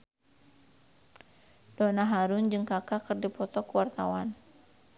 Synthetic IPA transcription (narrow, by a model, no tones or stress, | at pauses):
d̥ɔnaɦaɾʊnd͡ʒɨŋkakakɨrdipɔt̪ɔkuwart̪awan